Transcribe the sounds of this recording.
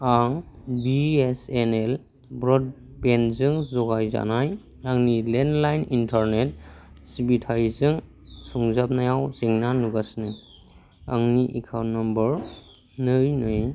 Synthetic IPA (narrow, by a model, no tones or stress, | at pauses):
aŋbiesenel | bɾɔd̚ | penzɯŋzɔɡajza̰naj | aŋnilendlajnintʰaɾnet̚sibitʰajzɯŋ | suŋzap̚najawziŋnanuɡasnɯj | aŋniʔikʰawnːambəɾ | nɯjnɯj